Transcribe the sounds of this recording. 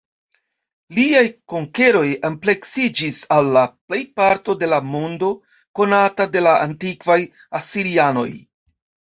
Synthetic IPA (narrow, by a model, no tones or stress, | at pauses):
liajko̞ŋke̞ɾo̞jample̞ksid͡ʒisalːaple̞jpaɾto̞de̞lamo̞ndo̞ | ko̞natade̞laʔa̰ntikvaj | asiɾiano̞̰j